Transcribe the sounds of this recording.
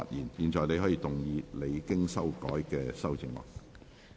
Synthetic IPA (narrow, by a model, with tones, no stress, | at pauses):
a̰˨t̚jiː˨˩njiː˨˩nt͡ʃɔː˨jne˨˧jhɦɔ˨˥jiː˧t̪ʊ˨˩ŋjiː˨˧le˨˧jkɪ˥ŋsɐ˥wkɔː˨˥jkɛː˧sɐ˥wt͡sɪ˧ŋlɔ̰ː˨˩k̚